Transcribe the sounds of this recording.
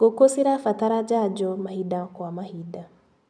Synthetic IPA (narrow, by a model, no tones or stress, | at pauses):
ɡokosiɾafataɾad͡ʒad͡ʒɔmahidakwamahida